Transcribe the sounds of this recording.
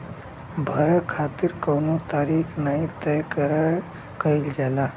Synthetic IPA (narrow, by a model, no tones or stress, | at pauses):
bʱaɾəkʰat̪iɾkənot̪aɾikʰnaɦĩt̪ɛjkəɾa | kəild͡ʒala